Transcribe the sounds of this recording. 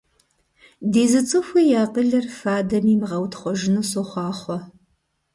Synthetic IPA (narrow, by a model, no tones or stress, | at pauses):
deːzɨt͡sʼɨxʷijaːqəɮɐrfaːdɐmiːmʁɐwtʰχʷɔʒɪnusoχʷɑːχʷɔ